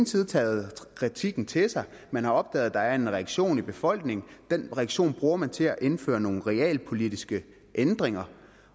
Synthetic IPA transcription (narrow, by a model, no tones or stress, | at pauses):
n̩t͡sʰið̞ˠt͡sʰɛ̰ːð̩ˠkʰʁit͡sʰiɡ̥n̩t͡sʰe̝sɑ̈ɪ | mænhɑ̈ɒ̽b̥̚d̥ɛ̰ːð̞̩ˠd̥ɑ̈æɐe̝nʁɛɡ̥ɕo̝̰ːnib̥e̝fɒ̽l̰ɡ̥ne̝ŋ̩d̥enʁɛɡ̥ɕo̝̰ːnb̥ʁuːɐmænt͡sʰe̝æʔe̝nfø̰ːɐno̝ːn̩ʁɛɛ̰ːlpʰo̝lidisɡ̥ə | ʔend̥ʁeŋɐ